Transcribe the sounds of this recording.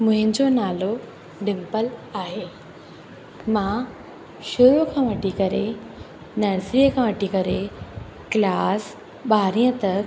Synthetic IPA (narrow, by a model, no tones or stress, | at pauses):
muɦĩɲt͡sonalo | ɖimpəlaɦe | mã | ɕuɾukʰãʋəʈikəɾe | nəɾsɾiəkʰãʋəʈːikəɾe | klas | baɾjət̪ək̚